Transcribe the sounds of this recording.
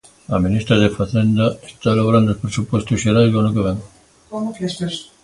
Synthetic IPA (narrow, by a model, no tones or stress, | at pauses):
aminist̪ɾaðefaθend̪aest̪alaβoɾand̪ospɾesupost̪uʃeɾaɾkonokeβɛŋ